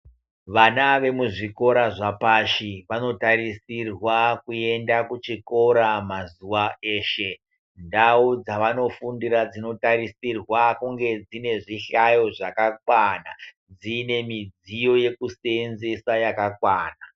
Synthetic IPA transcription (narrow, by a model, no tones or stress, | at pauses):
ʋanaʋe̞muʐiko̞ɾaʐapaʃiʋano̞tarisirwakue̞ndakut͡ʃiko̞ɾamazuʋae̞ːʃe | ndaud͡zaʋano̞fundiɾad͡zino̞tarisirwakuŋɡe̞d͡zine̞ʐiɬajo̞ʐakak̚wana | d͡zine̞mid͡zijo̞je̞kusenzesajakakwaːna